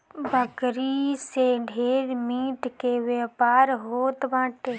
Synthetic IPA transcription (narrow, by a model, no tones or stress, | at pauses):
bʱəkɾiseɖʱeːɾmiːʈkeʋeːpaːɾɦoːt̪bãːʈe